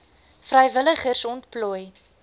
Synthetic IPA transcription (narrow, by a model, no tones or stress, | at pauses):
frəjvələχərsɔntpluj